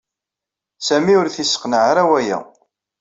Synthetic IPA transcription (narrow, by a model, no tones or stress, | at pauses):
sæmiʊɾθisə̥qnəʕaɾæwæjæ̰